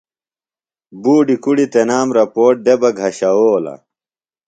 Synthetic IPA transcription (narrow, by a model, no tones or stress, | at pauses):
buːɖikuɽit̪enaːmɾɐpoːʈ̚d̪ebɐɡʱɐɕɐoːlɐ̰